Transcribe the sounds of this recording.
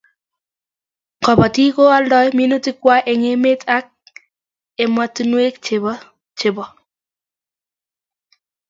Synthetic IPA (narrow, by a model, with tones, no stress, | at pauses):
kɔ˨ba˨ti˦ko˦a˦ldɔ˦jmi˦no˦ti˦kwa˦ʔe˨ŋe˦me˦ta˦k̚ | e˨ma˦tu˦nwe˦kt͡ʃɪb | t͡ʃɪ˨bɔ˨